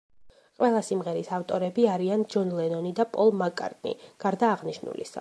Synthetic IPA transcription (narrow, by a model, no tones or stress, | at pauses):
qʼwɛlˠasimʁɛɾisaft̪ʼɔɾɛbiaɾiand͡ʒɔnlɛnɔnid̪apʼɔlˠmakʼa̰ɾt̪ʼnḭɡ̥aɾd̪aːʁniʃnṵlḭsa̰